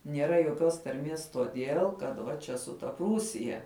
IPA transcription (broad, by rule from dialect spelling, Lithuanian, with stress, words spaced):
nʲiɛˈrɐ joːˈkʲoːs tɐrʲˈmʲiɛs toːˈdʲeːlˠ kɐt ˈʋɐ ˈt͡ʃʲɛ sʊ ˈtɐ ˈpruːsʲɪjɛ